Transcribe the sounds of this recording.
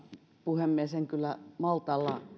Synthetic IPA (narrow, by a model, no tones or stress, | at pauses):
puhemːieseŋkylːæmɑlt̪ɑlːɑ